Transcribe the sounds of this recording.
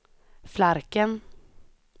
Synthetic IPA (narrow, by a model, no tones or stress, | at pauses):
flaɾkən